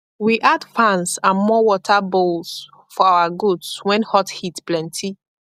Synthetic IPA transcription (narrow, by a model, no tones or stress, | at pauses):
wiʔadfãnsãnmɔwɔtʰabols | fɔawaɡudswɛ̃nhɔthitplɛ̃ntʰi